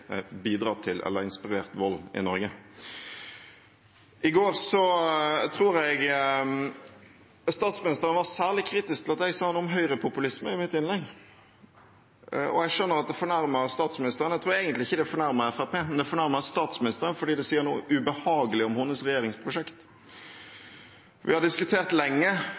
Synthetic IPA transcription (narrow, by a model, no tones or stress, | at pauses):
biːd̪ɾɑːt̪ʰɪlʔɛ̰lːəɾɪnspɪɾeːɾt̪ʋɔlːɪ̰nɔɾɡə | ʔɪɡoːɾsɔt̪ʰɾuːɾɛɪɡ | st̪ɑːt̪smɪnɪst̪əɾənʋɑsæːʁlɪkʰɾiːt̪ɪsk̚t̪ɪlɑt̪ɛɡsɑːnuːmɦœʏɾəpʰʊpʉlɪsməɾɪmɪt̪ːɪnlɛɡ | ʔɔ̰ɛɡʂœnːəɾɑt̪̚d̪ɛfɔɳæɾməɾst̪ɑːt̪smɪnɪst̪əʁənɛt̪ʰɾuːɛɪɡənt̪lɪɪçːəd̪ɛfɔɳæɾməɾɛfæpeːmɛnd̪ɛfɔɳæɾməst̪ɑːt̪smɪnɪst̪əʁənfɔɖiːd̪ɛsiːəɾnṵːʉbəhɑːɡəlɪɔmhʊnːəsʁɛjeːɾɪŋspʰʁʊʂɛkt̪ | ʋɪ̰hɑɖɪskʉt̪ʰeːʁt̪lɛŋːə